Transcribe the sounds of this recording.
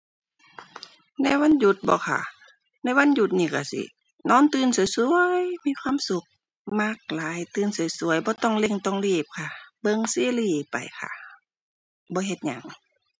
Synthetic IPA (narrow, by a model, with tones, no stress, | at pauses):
na˧˩˨wa˧˥˨nju˧˩t̪̚bɔ̰ː˧˦xʰa̰˧˩ | na˧˥˨jwa˧˥˨nju˧˩t̪̚niː˧˩ka˧˩sḭ˧ | nɔː˧˥˨nt̪ɯː˧˥˨nsu˨˦jsu˧əjmiː˧˥˨kʰwaː˧˥˨msu˧˦k̚ | ma˧˩k̚laː˨˦jt̪ɯː˧˥˨nsu˨˦jsu˨əjbɔː˧˦t̪ɔ˧˩˨ŋle˧˨ŋt̪ɔ˧˨ŋliː˧˩p̚kʰa˧˩bɤ˧˨ŋsiː˧˦˨liː˧˩pa̰˨˩jkʰa̰˧˩ | bɔː˧˦ɦe˧˩t̪̚ɲa̰˨ŋ